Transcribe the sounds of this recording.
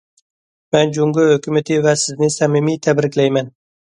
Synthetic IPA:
mɛnd͡ʒʊŋɡʊhɵkʲʰʊmat̪ʰɪvasɪznɪsamɪmit̪ʰabɾɪkʲlajman

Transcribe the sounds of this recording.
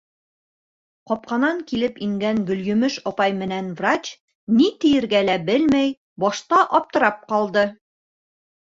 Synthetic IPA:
qɒp̚qɑnɑŋkilɘpiŋɡæŋɡɵ̆ljɵ̆mɘʃɒpɑjmɘ̆nænvrat͡ɕ | nit̪ɘ̆jɘ̆ɾɡælæbɘlmæj | bɒʃt̪ɑʔɒp̚t̪ɤ̆ɾɑp̚qɒlˠd̪ɤ

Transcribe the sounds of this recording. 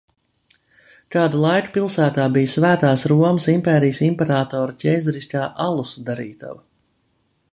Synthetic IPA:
k̪aːd̪ulˠajku̥pilˠsæːt̪aːbijsvæːt̪aːsɾuɔməsimpɛːɾijəsimpɛɾaːt̪ɔːɾacʲɛjzaɾiskaːʔalˠusd̪aɾiːt̪a̰v

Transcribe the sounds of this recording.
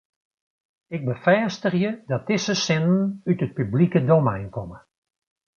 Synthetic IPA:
ɪk̚bəfɛːstərjədɔt̚d̥ɪsəsɛnn̩ytət̚pyblikədomɛjnkɔmə

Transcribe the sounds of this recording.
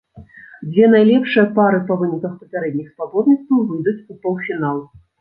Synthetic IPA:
d͡zʲvʲɛnajlʲɛpʂɨjɐpaɾɨpɐvɨnʲikɐxpɐpʲaɾɛd̪ʲnʲixspabɔd̪nʲit̪st̪vɐwvɨjd̪ut͡sʲupɔw̪ˠfʲinalˠ

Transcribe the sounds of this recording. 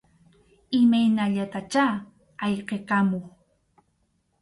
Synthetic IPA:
ɪmajnaʎat̪at͡ʃaː | ɑʎqekamoχ

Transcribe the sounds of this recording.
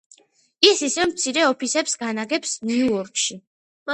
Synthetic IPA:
isisɛvmt̪sʰiɾɛɔpʰisɛpsɡanaɡɛpsnuɔɾkʰʃi

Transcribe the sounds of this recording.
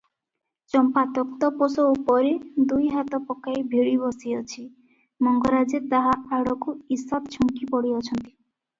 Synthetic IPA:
t͡ʃɔmpat̪ɔkt̪ɔposɔupɔɾed̪ujɦat̪ɔpɔkajbʱiɭibɔsiɔt͡ʃʰi | mɔŋɡɔɾad͡ʒet̪aɦaaɽɔkuisɔt̪t͡ʃʰɔŋkipɔɽiɔt͡ʃʰɔnt̪i̥

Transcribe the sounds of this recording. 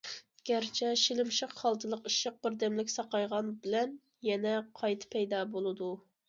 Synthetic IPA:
ɡ̥ʲæɾt͡ʃʰɛʃilɪmʃəqχɑlˠt̪ʰɨlˠəqiʃəq̚bɪɾd̪ɛmlɪkʲsɑqɑjʁɑnbɪlɛn | jɛnɛqʰɑjt̪ʰɨ̥pʰɛjd̪ɑːbolˠɨd̪u

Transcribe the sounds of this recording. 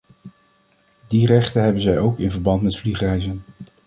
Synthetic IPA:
dirɛχtənɦɛbənzɛjowkɪnvəɹbɑntmɛtfliχrɛjzən

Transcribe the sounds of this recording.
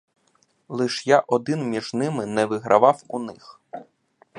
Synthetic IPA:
lˠɪʃjaʔɔd̪ɪnmʲiʒnɪmɪnɛʋɪɦɾʔɐʋɑwunɪx

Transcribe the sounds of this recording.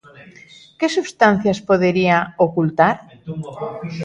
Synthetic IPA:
kesuβst̪an̟θjaspoðeɾiaokult̪aɾ

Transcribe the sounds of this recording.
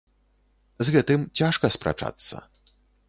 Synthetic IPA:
zɣɛt̪ɨmt͡sʲaʂkɐspɾa̰t͡ʂa̰t̪sːɐ̰

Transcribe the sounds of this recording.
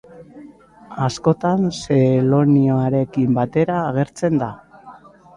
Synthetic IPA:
asko̞t̪anse̞lo̞nioaɾe̞kimbat̪e̞ɾaːɣ̞e̞ɾt͡se̞nd̪a

